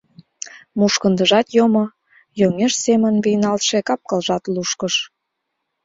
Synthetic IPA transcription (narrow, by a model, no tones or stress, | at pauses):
muʃkə̆nd̪əʒɑt̪jomo | joŋeʃsemənβijnɑlt̪ʃekɑp̚kəlʒɑt̪luʃkəʃ